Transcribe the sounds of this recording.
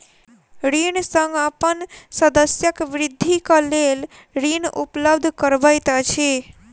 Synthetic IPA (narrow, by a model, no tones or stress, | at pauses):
ɾiɳsəŋɡapənsəd̪əsjəkʋɾɪd̪ʱːikalel | ɾinʔupləbd̪ʱkəɾʋajt̪at͡ʃʰe